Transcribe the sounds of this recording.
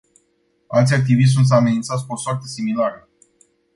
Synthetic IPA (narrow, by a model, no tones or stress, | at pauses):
alt̪sʲjak̚t̪ivis̬unt̪s̬ame̞nint̪sat̪sʲkosoart̪esimilaɾə